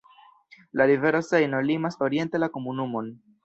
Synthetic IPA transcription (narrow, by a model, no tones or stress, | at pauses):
laɾive̞ɾosejno̞limaso̞ɾie̞nte̞lako̞munumo̞n